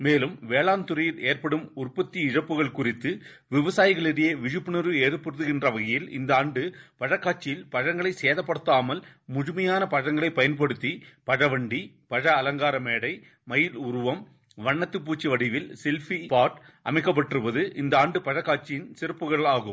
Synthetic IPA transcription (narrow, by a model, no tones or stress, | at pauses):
meːlɯmʋeːɭaːnt̪ɯɾɐjɪleːrpɐɽɯmʊrpɐt̪ːiɪɻɐpːɯɣɐɭkʊrɪt̪ːɯ | ʋɪʋɐsaːjɪɣɐɭɪɽɐjɐʋɪɻɯpːɳɯɾɯeːɾɯpːɯɾɯðɯɣɪndrɐʋɐɣɐjɪlɪ̰nd̪ɐaːɳɖɯpɐɻɐkːaːʈt͡ʃːɪjɪlpɐɻɐŋɡɐɭɐɪseːðɐpːɐɽɯt̪ːaːmɐl | mʊɻɯmɐjaːnɐpɐɻɐŋɡɐɭɐɪpːɐjɐnp̬ɐɽɯt̪ːipɐɻɐʋɐɳɖi | pɐɻɐːlɐŋɡaːɾɐmeːɽɐɪ | mɐjɪlʊrʊʋɐm | ʋɐɳːɐt̪ːɯp̬ːuːt͡ʃːiʋɐɽɪʋɪlsɛlfipaːʈ | ʔɐ̰mɐɪkːɐp̬ːɐʈːrɯʋɐðɯʔɪnd̪ɐaːɳɖɯpɐɻɐkːaːt͡ʃːɪjɪnsɪɾɯpːɯɣɐɭaːɣɯm